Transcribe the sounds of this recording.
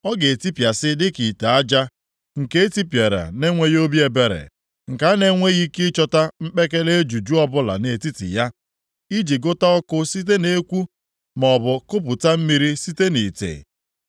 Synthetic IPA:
ɔ˦ɡe˨e˨ti˦pja˨sɪ˦dɪ˦ki˨ta˨a˦d͡ʒa˦ | ŋ̩˨ke˦e˦ti˦pje˨ɾa̰˨ne˦ŋʷe˦jo˦bje˨be˨ɾḛ˨ | ŋ̩˨ka˨a˦ne˦ŋʷe˦ɣi˦ki˦t͡ʃɔ˦ta˦m̩˦k͡pe˦ke˦le˦e˦d͡ʒu˨d͡ʒu˦ɔ˦bʊ˦la̰˨ne˨ti˦tɪ̰˨ja˦ | i˦d͡ʒi˨ɡo˦ta˦ɔ˦kʊ˦si˦t̬e˦ne˦kʷu˦ | m˨ɔ˨bʊ˨kʊ˦p̬ʊ˨ta˦m̩˦mi˦ɾi˦si˦te˦ni˨tḛ˨

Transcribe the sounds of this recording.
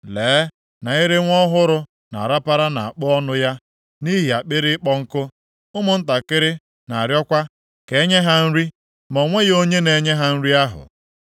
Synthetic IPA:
leː˨˦ | na˨i˦ɾɪ˦ŋʷɔ˦ɦʊ˦ɾʊ˨ | na̰˨ɾa˦pa˦ɾa˦na˨a˨k͡pʊ˦ɔ˦nʊ˦ja˦ | ni˦ɦi˨a˨k͡pɪ˦ɾɪ˦ɪ˦k͡pɔ˦ŋ̩˦kʊ˦ | ʊ˦mʊ˨n̩˦ta˨kɪ˦ɾɪ˦ | na˨a˨ɾjɔ˦kʷa˦ | ke˨˦ɲe˦ɦa˦n̩˦ɾi˦ | mɔ˨ŋʷe˦ɣo˦ɲe˦ne˨ɲe˦ɦa˦n̩˦ɾi˦a˦ɦʊ̰˨

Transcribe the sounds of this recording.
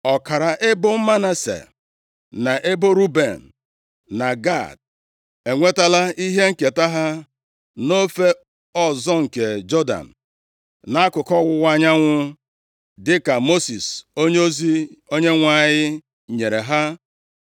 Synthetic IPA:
ɔ˨ka˨ɾa˨ʔe˦bʊ˦m̩˦ma˦na˦sḛ˨ | na˨ʔe˦bo˦ɾu˦be˨n̩˨ | na˨ɡa̰˦˨d̚ | e˨ŋʷe˦ta˦la˦i˦ɦe˦ŋ̩˦ke˨ta˦ɦa˦ | no˦fe˦ | ɔ˦zɔ˦ŋ̩˨ke˨d͡ʒɔ˦da̰˨n̩˨ | na˦a˦kʊ˨kɔ˦wʊ˦wa˦ɲa˦ŋʷʊ˦ | dɪ˦ka˨mo˦si˨so˦ɲ˦o˦zi˦o˦ɲe˦ŋʷa˦˨ɲɪ˦ | ɲe˨ɾe˨ɦa˦

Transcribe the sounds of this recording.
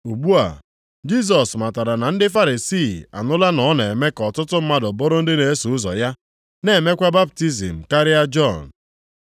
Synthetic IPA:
u˨ɡ͡bu˦a̰˨ | d͡ʒi˦s̬ɔ˨sma˨ta˨ɾa˨na˨n̩˦dɪ˦f̬a˦ɾi˨si˦˨a̰˨nʊ˦la˦nɔ˨˦ne˨me˦kɔ˨tʊ˦tʊ˦m̩˦ma˦dɔ˨bɔ˦ɾʊ˦n̩˦dɪ˦ne˨e˦su˨ʊ˦zɔ̰˨ja˦ | ne˨me˦kʷa˦ba˦p̚ti˦zḭ˨m̩˨ka˦ɾɪ˦a˦d͡ʒɔ˦˨n˨

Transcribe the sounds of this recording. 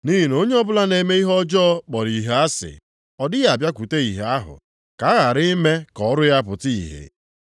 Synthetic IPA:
ni˦ɦn˦o˦ɲe˦ɔ˦bʊ˦la˦ne˨me˦i˦ɦɔ˦d͡ʒɔː˦k͡pɔ˨ɾi˨ɦe˦a˦sɪ̰˨ | ɔ˨dɪ˦ɣa˨bja˦kʷu˨te˦i˨ɦe˦a˦ɦʊ̰˨ | ka˨a˦ɣa˨ɾɪ˦me˦kɔ˦ɾʊ˦ja˦pʊ˨ti˦ḭ˨ɦḛ˨

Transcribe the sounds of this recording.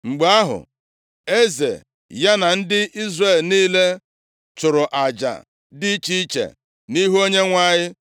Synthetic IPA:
ŋ͡m̩˨ɡ͡ba˦ɦʊ̰˨ | e˦zḛ˨ | ja˦na˨n̩˦dɪ˦ʔi˦zre˦˨lniː˦le˦ | t͡ʃʊ˨ɾʊ˨ʔa˨d͡ʒa̰˨ | dɪ˦t͡ʃi˦i˦t͡ʃḛ˨ | ni˦ɦu˦o˦ɲe˦ŋʷa˦ɲɪ˦

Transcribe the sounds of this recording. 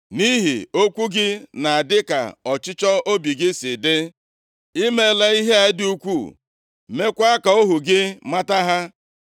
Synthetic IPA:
ni˦ɦi˨o˦kʷu˦ɡɪ˦na˨a˨dɪ˦ka̰˨ɔ˨t͡ʃɪ˦t͡ʃɔ˦o˦bi˨ɡɪ˦sɪ˨dɪ˦ | i˦me˦la˨i˦ɦe˦a˨˦ɪ˦du˦kʷu˦˨ | me˦kʷa˦ka˨o˦ɦu˨ɡɪ˦ma˦ta˦ɦa˦

